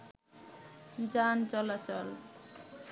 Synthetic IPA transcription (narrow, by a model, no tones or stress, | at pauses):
d͡ʒant͡ʃɔlat͡ʃɔl